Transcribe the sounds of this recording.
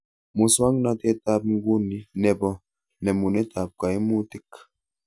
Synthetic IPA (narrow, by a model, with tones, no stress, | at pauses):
mu˨swa˦ŋ˦na˦tɛ˦ta˦p̚ŋ̩˦ɡu˦ni˨nɛ˨bɔ˨ | nɛ˨mu˨nɛ˦ta˨p̚ka˨i˦mu˦ti˦k